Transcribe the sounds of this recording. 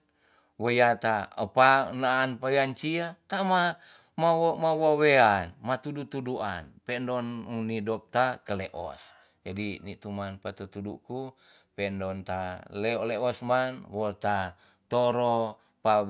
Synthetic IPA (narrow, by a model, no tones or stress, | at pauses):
wojat̪aə̰panaːnpaweant͡ʃiat̪ama | mawmawaweanmat̪udut̪uduʔa̰npɛndɔnunidɔp̚t̪akəlɛʔɔ̰s | d͡ʒadinit̪umanpat̪ut̪udṵku | pɛndɔnt̪alɛɔleɔsmanwɔt̪a | t̪oɾɔ | pa